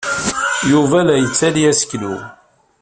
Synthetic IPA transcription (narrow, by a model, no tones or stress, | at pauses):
juvæðæjət͡sːæliæsə̥kːlṵ